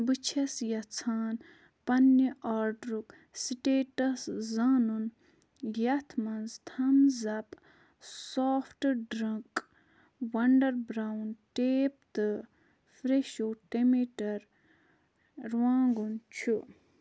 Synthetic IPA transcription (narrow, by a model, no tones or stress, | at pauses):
bɨt͡ʃʰɐsjɐt͡sʰaːn | pɐnːiʔaːɾɖɾuk | sʈeːʈɐszaːnun | jɐt̪ʰmɐnzt̪ʰɐmzɐp | soːfʰʈɖɾɐŋk | wɐɳɖɐɾbɾawnʈeːp̚t̪ɨ | fɾeʃoːʈemeʈɐɾ | ɾwãːŋɡunt͡ʃʰu